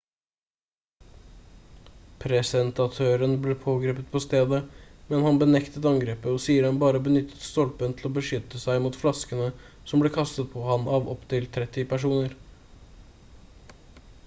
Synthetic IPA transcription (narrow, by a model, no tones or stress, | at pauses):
pʰɾɛsɛnt̪ɑt̪ʰøːɾənblɛpʰoːɡɾeːpət̪̚pʰɔst̪eːd̪əmɛnhɑnbənɛkt̪ət̪ɑŋɡɾeːpəɔsiːəɾɛnbɑːɾəbənʏt̪ʰːə̥t̪st̪ɔlpənt̪ʰl̩ɔːbəʂʏt̪ːəsæɪmuːt̪flɑskənə | sɔmbleːkʰɑst̪ət̪̚pʰɔhɑnʔɑːʋɔ̰pt̪ʰɪlt̪ʰɾɛt̪ːɪpʰæʂuːnəɾ